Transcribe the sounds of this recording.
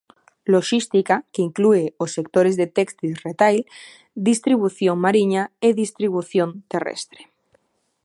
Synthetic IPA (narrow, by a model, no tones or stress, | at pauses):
lo̞ʃist̪ikakeiŋklueosːe̞k̚t̪oɾezðet̪ekst̪isret̪ajl | d̪ist̪ɾiβ̞uθjoŋmaɾiɲaeðist̪ɾiβuθjont̪erḛst̪ɾe̥